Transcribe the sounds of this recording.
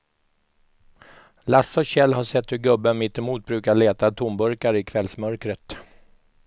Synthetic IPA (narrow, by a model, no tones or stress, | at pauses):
lasːɔɕɛlːɦaʂɛt̪ːɵɾɡɵbːənmɪt̪ːɪmuːt̪̚bɾʉːkaɭeːt̪at̪ʰumbɵɾkaɾəɪkʰvɛlsmœɾkɾət̪